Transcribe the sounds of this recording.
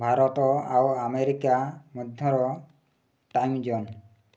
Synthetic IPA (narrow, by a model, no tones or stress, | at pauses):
bʱaɾɔt̪ɔawameɾikamɔd̪ʱjɔɾɔ | ʈajmd͡ʒɔn